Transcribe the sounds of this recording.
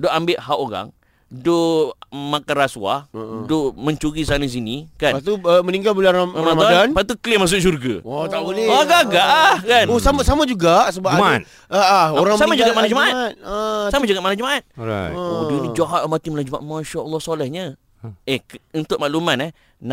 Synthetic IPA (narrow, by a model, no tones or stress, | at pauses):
doʔambɪʔɦaʔoɾa̰ŋ | do | makaraswa̰doməɲt͡ʃuɾisanas̬inikanpat̪uəməniŋɡalbulanaamamadanpat̪uklɪmas̬ʊʔ̚s̬urɡa̰ɔt̪aolɛaɡaɡaʔkanosamasamad͡ʒuɡasəbaman | əoɾaŋsammad͡ʒuɡaʔmanad͡ʒəmaʔat̪̚samad͡ʒuɡaʔmanad͡ʒəmaʔat̪̚ | onid͡ʒaɦaʔmat̪iməlad͡ʒəma̰maʃaʔəlːɔhsolɛhɲə̃ | eunt̪ʊʔmaʔlumanah | n